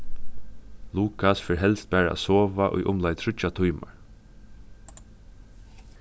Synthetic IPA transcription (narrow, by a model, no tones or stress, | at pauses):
luːkasfɛːɹɦɛlst̪̚bæːɹa̰a̰soːʋaʔʊ̰jʔʊmlajt̪ʰɾʏt͡ʃat̪ʰujma̰ɹ